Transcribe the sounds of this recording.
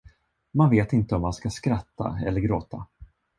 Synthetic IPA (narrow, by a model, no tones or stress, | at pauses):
manveːt̪ɪnt̪əɔmːanskaskɾat̪ːa̰ɛ̰lːəɾɡɾoːt̪ʰa